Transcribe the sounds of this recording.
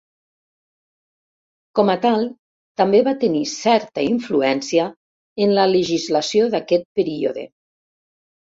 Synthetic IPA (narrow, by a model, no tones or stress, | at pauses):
kɔmət̪alˠ | t̪ambeβat̪ənisɛɾt̪əiɱfluɛnsiə | ənlələʒizləsioðakɛt̪̚pəɾio̰ðḛ